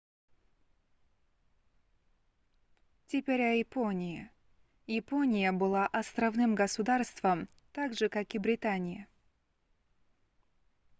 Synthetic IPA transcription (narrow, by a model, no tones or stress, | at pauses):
tʲɪpʲeɾʲɐjɪponʲɪjɪ | jɪponʲɪjəbɨlˠaʔɐst̪ɾɐvnɨmɡəsʊd̪arst̪v̥əm | t̪aɡʐɨkakɪbɾʲɪt̪anʲɪjɪ